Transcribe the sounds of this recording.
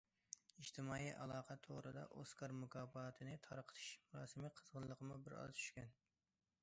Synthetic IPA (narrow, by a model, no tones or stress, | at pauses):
iʃt̪ʰɪmɑːiʔɑlˠɑːqʰɑt̪ʰoʁɾɨd̪ɑ̰ʔoskʰɑɾmukʰɑːbɑt̪ʰɨnɪt̪ʰɑɾqʰə̥t̪ʰɨ̥ʃmuɾɑːsɨmɨqʰəzʁənlˠəqʰəmubɪɾɑ̰t̪ʰy̥ʃkʲɛn